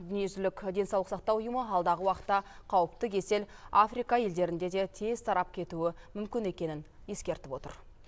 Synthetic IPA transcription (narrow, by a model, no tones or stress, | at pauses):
d̪ʏne̞ʒɪlɪkʲd̪e̞sɑwlˠəqsɑq̚t̪ɑwʊjəməɑlˠd̪ɑʁəwɑqə̥t̪ːɑqʰɑwəp̚t̪əkʲʰe̞se̞lafrijkɑje̞ld̪e̞ɾɪnd̪e̞d̪e̞t̪ʰezt̪ʰɑɾɑp̚kʲʰe̞t̪uɪmʏmkʲɪne̞kʲe̞nɪnje̞skʲe̞ɾt̪ɪpwo̞t̪ə̰ɾ